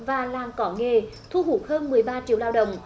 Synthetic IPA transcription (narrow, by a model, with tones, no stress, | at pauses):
vaː˨˩laː˨˩mkɔ˨˦ŋe˨˩ | t̪ʰu˧ɦu˧˦k̚həː˧nmɨ˨˩əjɓaː˧t͡ɕḭ˧˥əwlaː˧wɗə̰˧˨wŋ͡m